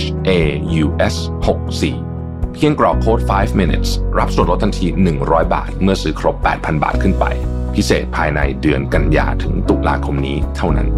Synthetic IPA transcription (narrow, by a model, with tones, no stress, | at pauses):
ʔeː˧juː˧ʔe˦˥s | ho˨˩k̚sḭː˨˩ | pʰi˥˩əŋklɔː˨˩kʰoː˦˥˩t̪̚faː˦˥jfmi˧nḭ˦˥t̪̚sɾa˦˥p̚su˨˩ən̚lt̪ʰa˧nt̪ʰiː˧nɯ˨˩ŋɾɔː˦˥jba̰ː˨˩t̪̚mɯ˥˩ɐsɯː˦˥kʰɾo˦˥pːɛ̰ː˨˩t̪̚pʰa˧nba̰ː˨˩t̪̚kʰɯ˥˩npa̰˧j | pʰi˦˥sḛː˨˩t̪̚pʰaː˧jna̰˧jdɯ˧ənka˧nja̰ː˧t̪ʰɯ˩˦ŋt̪u˨˩la̰ː˧kʰo˧mniː˦˥t̪ʰa˥˩wna̰˦˥n